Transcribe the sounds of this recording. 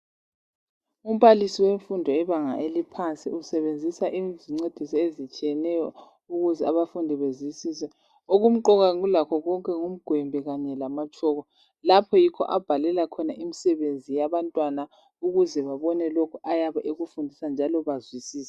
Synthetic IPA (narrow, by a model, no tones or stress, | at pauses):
um̩βalisiweɱfundʱɔɛβaŋa̰ʔelipʰant͡sʼḭusɛβend͡zʱisaʔiziŋ͡ǀed̥ʱisɔezit͡ʃʼijɛnɛjɔ | uɣuzɛaβafundʱiβezwisiːsɛ | oɣum̩ǃɔɣaɣulakʰɔɣɔŋkʼɛŋum̩ɡ̥ʱwɛmbʱɛɣaɲɛlamat͡ʃʰʼɔːɣɔ | lapʰɔjikʰɔ̰ʔab̥ʱalɛlakʰɔnaʔimisɛβend͡zʱijaβantʼwana | uɣuzɛβaβɔnɛlokʰuʔajaβaʔeɣufundʱisand͡ʒʱalɔβazwisiːsɛ